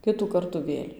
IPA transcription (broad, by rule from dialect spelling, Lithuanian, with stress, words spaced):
ˈkʲɪtuː ˈkɐrtuː ˈʋʲeːlʲ